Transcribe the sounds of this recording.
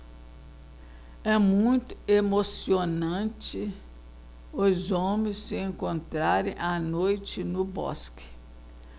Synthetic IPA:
ɛmũj̃t̪ʊ̥emosionɐ̃t͡ʃɪ | ʊzõmẽsːɪẽŋkõnt̪ɾaɾẽj̃anojt͡ʃɪnʊbɔ̰skɪ̥

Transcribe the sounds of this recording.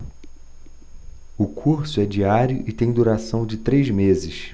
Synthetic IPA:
ʊkʰuɾsʊɛd͡ʒiaɾjʊʔɪt̪ẽj̃d̪uɾasɐ̃w̃d͡ʒɪt̪ɾejzmezɪʃ

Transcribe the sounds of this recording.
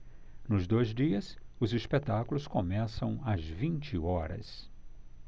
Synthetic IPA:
nʊzd̪ojzd͡ʒiɐsʊzispet̪akulʊskomɛsɐ̃w̃ɐzvĩnt͡ʃɪɔɾɐ̰s

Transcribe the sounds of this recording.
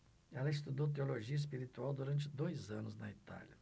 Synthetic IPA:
ɛlɐɪst̪ud̪owt̪̬eoloʒiɐis̬piɾit̪uawd̪uɾɐ̃nt͡ʃɪd̪ojzɐ̃nʊznɐit̪a̰lʲɐ

